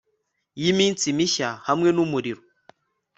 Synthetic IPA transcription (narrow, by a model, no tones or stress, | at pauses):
jimin̩t͡simiʃahamwenumuɾiɾu